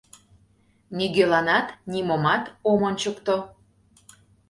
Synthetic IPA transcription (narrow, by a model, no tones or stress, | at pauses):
niɣølɑnɑt̪nʲimomɑt̪omonʲt͡ɕəkt̪o